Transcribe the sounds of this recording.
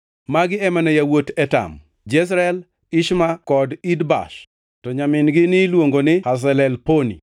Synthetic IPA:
maɡɪɛmanɛjawotɛta̰m | d͡ʒɛs̬ɾɛl | ɪʃmakɔdidba̰ʃ | tɔɲamɪnɡɪnɪlwoŋɡonɪhas̬ɛlɛlponḭ

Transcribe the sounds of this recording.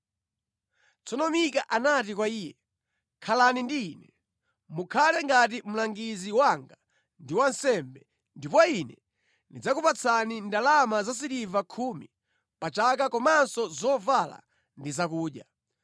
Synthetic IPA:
t͡sʰɔnɔmikaʔanat̬ikwaiːjɛ | kʰalanindiːnɛ | mukʰalɛŋɡat̬im̩laŋɡiziwaŋɡa | ndiwansɛmbɛ | ndipɔinɛ | nid͡zakupat͡sʰanindalamazas̬iɾivakʰumi | pat͡ʃak̬akɔmansɔzɔvala̰ | ndizakuːɗja

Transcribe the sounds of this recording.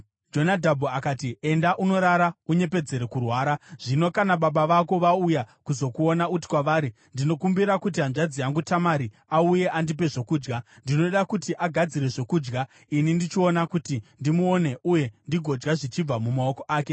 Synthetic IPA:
d͡ʒo̞nadʱabʱuakaːtie̞ndaʔuno̞ɾaɾauɲe̞pe̞d͡ze̞ɾekurwaːɾaʐ̥ino̞kanaɓaɓaʋako̞ʋaujakuzo̞kuo̞naut̬i̥kwaʋaːɾi | ndino̞kumbiɾakut̬iɦanʐad͡zijaŋɡutamaɾi | auje̞ʔandip̬e̞ʐo̞kuːd͡ʒɡandino̞ɗakutiʔaɡʱad͡ziɾe̞ʐo̞kuːd͡ʒɡa | inindit͡ʃio̞nakutindimuone̞ʔuje̞ndiɡʱo̞d͡ʒɡaʐit͡ʃib͡vamumao̞ko̞ʔaːk̬e̞

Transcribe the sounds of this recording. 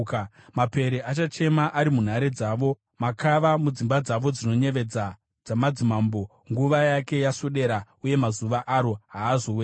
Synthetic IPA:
mape̞ɾeʔat͡ʃat͡ʃe̞maʔaɾimun̤aɾed͡zaːʋo̞ | makaʋamud͡zimbad͡zaʋo̞d͡zino̞ɲe̞ʋe̞d͡za | d͡zamad͡zimaːmbo̞ | ŋɡuʋajake̞jasoɗe̞ɾa | uje̞mazuʋaʔaɾo̞ɦaːzowea

